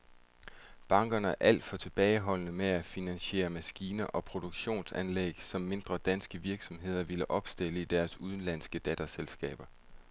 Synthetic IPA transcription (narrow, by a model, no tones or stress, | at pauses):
b̥ɑ̈ŋɡ̥ɐnəæʔæl̰d̥fɒ̽t͡sʰe̝b̥ɛːɪɦɒ̽l̰ənəmeæfinænɕe̝̰ːɐmæsɡ̥iːnɐʔɒ̽pʰʁo̝d̥oɡ̥ɕo̝̰ːnsænlḛɡ̥sɒ̽mːe̝nd̥ʁɐd̥ænsɡ̥əʋiɐɡ̥sɒ̽mɦe̝ð̞̰ˠɐʋiləʔɒ̽b̥sd̥el̰əid̥æɐsuð̞ˠn̩læn̰sɡ̥əd̥æd̥æselsɡ̥ɛ̰ːb̥ɐ